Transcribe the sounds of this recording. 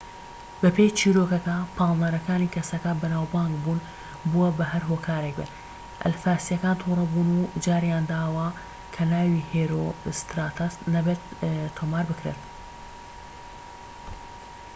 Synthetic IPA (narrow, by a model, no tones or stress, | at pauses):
bɐpejt͡ʃʰiːɾokɐkɐpʰɑːlˠd̪aɾɐkaːniːkʰɐsɐkɐbɐnaːwbaːŋɡbuːn | buɐbɐɦɐɾɦoːkʰaːɾek̚bḛ | ʔɐ̰lfaːsijɐkaːnt̪ʰuːɾˤɐbuːnud͡ʒaːɾjaːnd̪aːwɐ | kʰɐnaːwiheːɾost̪ɾaːt̪ʰɐsnɐbet̪t̪ʰːomaːɾbɨkɾḛːt̪